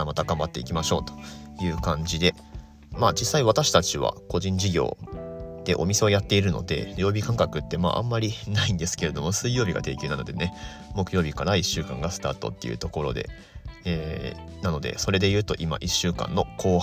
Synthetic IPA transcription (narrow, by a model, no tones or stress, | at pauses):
mat̪aɡãmbat̪ːe̞̰ikʲimaɕo̞̰ːt̪o̥jɯ̟ːkãɲd͡ʑid̪e̞ | maːd͡ʑisːaiβat̪aɕi̥t̪at͡ɕiβa̰ko̞ʑĩɲ̟d͡ʑiɡʲo̞̰ːd̪̥e̞̰ʔo̞mʲise̞o̞jat̪ːe̞iɾɯ̟no̞̰d̪e̞̰ɾʲo̞ːbʲikãŋkakɯ̟t̪ːe̞ma̰ːʔã̰mːaɾʲinaĩnd̪e̞sɨ̥ke̞ɾe̞d̪o̞mo̞sɨijo̞ːbʲiɡa̰t̪e̞ːkʲjɨːnano̞̰d̪e̞ne̞ | mo̞kɯ̟jo̞ːbʲikaɾaiɕːɨːkã̰ŋɡasɨ̥t̪a̰ːt̪o̞̰t̪ːe̞̰jɯ̟̰t̪oko̞ɾo̞̰d̪e̞̰ | eːnano̞d̪e̞̰so̞ɾe̞d̪e̞jɯ̟ːt̪o̞ʔima̰ʔiɕːɨːkã̰nːo̞ko̞ː